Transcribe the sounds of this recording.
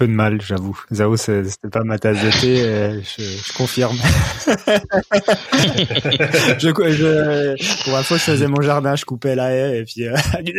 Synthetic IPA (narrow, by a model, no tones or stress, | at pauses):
pød̪əmalʒavuzaosɛse̥t̪ɛpamat̪azd̪ət̪eeʒəʒəkɔ̃fiʁm | ʒəkʒəpuʁɛ̃foʒəfəzɛmɔ̃ʒaʁd̪ɛ̃ʒəkupɛlaɛepɥiød̪